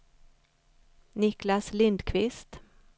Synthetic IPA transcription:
nɪklaslɪnd̪kʰvɪst̪

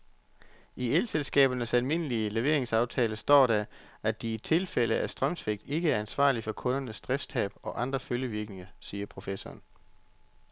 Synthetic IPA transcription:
ʔielselsɡ̥ɛ̰ːb̥ɐnəsælme̝n̰əliəleʋe̝ɐ̰eŋsɑ̈ʊt͡sʰɛːləsd̥ɒ̰ːɾ̥æʔæd̥iːt͡sʰe̝lfel̰əʔæsd̥ʁɶmsʰʋeɡ̥̚d̥e̝ɡ̥əæɐænsʋɑ̰̈ːlifɒ̽kʰɔ̽nɐnəsd̥ʁɛst͡sʰɛ̰ːb̥ɒ̽ʔɑ̈nd̥ʁɐføljəʋiɐɡ̥ne̝ŋɐsiːɐpʰʁo̝fesɒ̰ːn

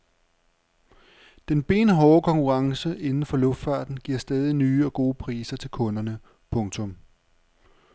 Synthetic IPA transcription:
d̥enb̥e̝̰ːnɦɒːkʰɒ̽ŋkʰuʁɑ̈ŋsəʔe̝nn̩fɒ̽lɔ̽fd̥fɑ̈ːd̥n̩ɡ̥iɐ̰sd̥ɛːð̞ˠinyːɒ̽ɡ̥o̝ːpʰʁiːsɐt͡sʰe̝lkʰɔ̽nɐnə | pʰɔ̽ŋt͡sʰɔ̽m

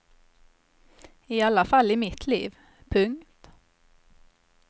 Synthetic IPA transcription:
ɪalːafalːɪmɪt̪ʰlḭːv | pʰɵŋt̪

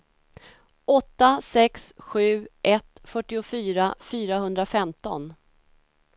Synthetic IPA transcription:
ʔɔt̪ːasɛksɧʉ̟ːʔɛt̪fœʈːɪʊfyːɾafyːɾaɦɵnd̪ɾafɛmt̪ɔ̰n

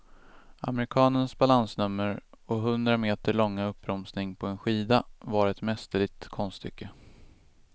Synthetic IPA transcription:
a̰mɛɾɪkʰɑːnənsbalansnɵmːəɾɔɦɵnd̪ɾameːt̪əɭɔŋːaɵpːɾɔmsnɪŋpʰɔɛnɧiːd̪avaɾɛt̪mɛst̪əɭɪɡ̚t̪kʰɔnst̪ʰːʏ̰kːə

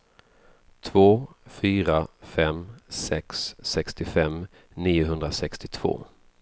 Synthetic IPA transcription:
t̪ʰvoːfyːɾafɛmsɛksːɛkst̪ɪfɛm | niːʊɦɵnd̪ɾasɛkst̪ɪt̪ʰv̥o̰ː

